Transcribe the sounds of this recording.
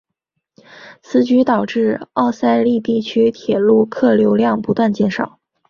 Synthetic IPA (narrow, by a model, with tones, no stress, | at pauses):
t͡sʰɹ̩˧˥t͡ɕy˧˥t̪ɑ˨˩ʊʈ͡ʂɻ̩˥˧ɑ˥˩ʊsa˥ɪli˥˧t̪i˥˩t͡ɕʰy˥t̪ʰjɛ˨˩lu˥˧kʰɤ˥˩ljo˧˥ʊljɑ˥˩ŋpu˧˥t̪wa˥˧nt͡ɕjɛ˥˩nʂɑ˨˩˦ʊ